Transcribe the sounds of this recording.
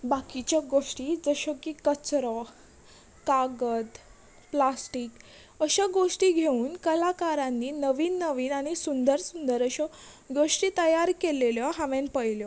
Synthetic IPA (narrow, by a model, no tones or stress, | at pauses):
bakit͡ɕjaɡoʂʈiːd͡zəɕɔkikət͡sɾɔ | kaɡət̪ | plasʈiːk | əɕaɡoʂʈiɡʱeuːnkəlakaɾãnːiːnəʋiːnːəʋiːnaɽ̃isund̪əɾsund̪əɾəɕɔ | ɡoʂʈit̪əjaɾkeleljɔɦaʋẽnpəjljɔ